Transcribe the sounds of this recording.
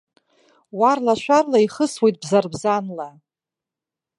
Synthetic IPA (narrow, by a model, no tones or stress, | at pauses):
warlaʃʷarlaiχəswejt̚bzarbzanla